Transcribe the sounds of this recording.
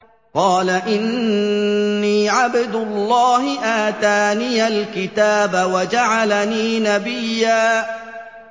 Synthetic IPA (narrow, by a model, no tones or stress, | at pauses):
qɑːlaʔɪnː | iːʕabɪd̪ʊlˤːɑːhɪʔaːt̪aːniːalkɪt̪aːbawad͡ʒaʕalaniːnabɪjːaː